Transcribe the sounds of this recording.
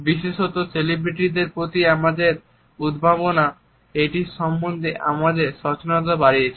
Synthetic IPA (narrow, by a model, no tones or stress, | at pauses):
biʃeʃot̪oselibɾiʈid̪eɾpɾot̪iamad̪eɾ | ud̪bʱaβona | eʈiʃɔmbond̪ʱeʔa̰mad̪eɾʃɔt͡ɕonɔt̪abaɾiet͡ɕʰe